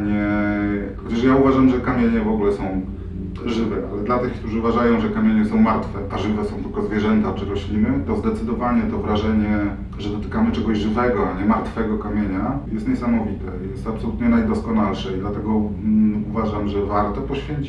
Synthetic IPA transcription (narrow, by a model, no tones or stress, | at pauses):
ɲɛ | xɔt͡ɕaʂjauvaʐamʐɛkamʲjeɲɛvɔɡulɛsɔ̃w̃ | ʐɘvɛʔalɛd̪lat̪ɘxkt̪uʐɘuvaʐajɔ̃w̃ʐɛkamʲjeɲɛsɔ̃w̃maɾt̪fɛʔaʐɘvɛsɔ̃w̃t̪ɘlkɔzvʲjɛʐɛnt̪at͡ʂɘɾɔɕlʲinɘt̪ɔzd̪ɛt̪sɘd̪ɔvaɲɛt̪ɔvɾaʐɛɲɛ | ʐɛd̪ɔt̪ɘ̥kamɘt͡ʂɛɡɔʑʐɘvɛɡɔaɲɛmaɾt̪fɛɡɔkamʲjeɲajɛst̪ɲɛsamɔvʲit̪ʰɛjɛst̪apsɔlut̪ɲɛnajd̪ɔskɔnalʂɛid̪lat̪ɛɡɔ | uvaʐamʐɛvaɾt̪ɔpɔɕfʲjeɲt͡ɕi